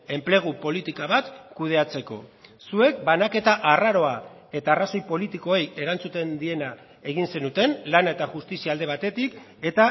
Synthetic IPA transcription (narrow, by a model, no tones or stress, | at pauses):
e̞mple̞ɣ̞upo̞lit̪ikaβat̪kuð̞e̞at͡se̞ko̞̰sue̞k̚banake̞t̪aʔaraɾo̞a | e̞t̪aːraso̞jpo̞lit̪iko̞e̞je̞ɾant͡sut̪e̞nd̪ie̞na | e̞ɣ̞inse̞nut̪e̞nlanaet̪aʝust̪isiald̪e̞β̞at̪e̞t̪ik | e̞t̪a